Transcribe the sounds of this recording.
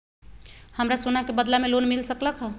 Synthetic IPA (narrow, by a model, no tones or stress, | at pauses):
həmɾasunakebəd̪lamelonmilsəkləkɦə̃